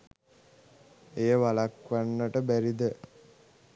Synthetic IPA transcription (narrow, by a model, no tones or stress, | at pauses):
ejəʋalakʋanːəʈəbæɾid̪ə